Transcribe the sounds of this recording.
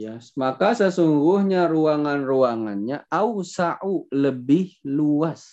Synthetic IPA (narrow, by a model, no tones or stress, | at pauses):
jamakasəsuŋɡʊhɲaruaŋanruaŋanɲaʔausaʔuləbɪhluas